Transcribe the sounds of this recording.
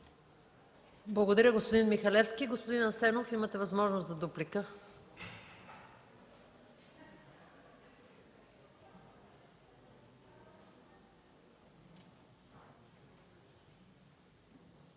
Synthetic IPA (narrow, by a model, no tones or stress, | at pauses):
blˠɐɡod̪ɐɾʲəɡospod̪inmixɐlɛfskiɡospod̪inɐsɛnofimət̪ɛvɐzmɔʒnost̪zɐd̪uplikə